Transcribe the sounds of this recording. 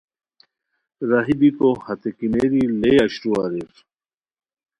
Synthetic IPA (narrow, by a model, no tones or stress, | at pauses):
ɾaɦibikohɐt̪ekineɾileɐɕɾuaɾiɾ